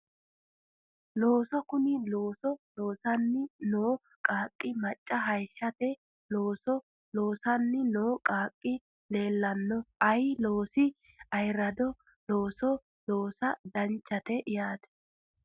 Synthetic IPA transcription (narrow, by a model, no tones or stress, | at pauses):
lo̞ːsɔkʊnɪlo̞ːsɔloːsɐnːɪnoː | kʼaːkʼːɪmɐt͡ʃʼːɐɦɐjʃːɐt̪ɛ | loːsɔ | lo̞ːsɐnːɪnoːkʼaːkʼːɪ | le̞ːlːɐnːɔʔɐjloːsɪ | ɐjɾɐd̪ɔ | loːsɔ | lo̞ːsɐd̪ɐnt͡ʃːɐt̪ɛʔɪjaːt̪ɛ̥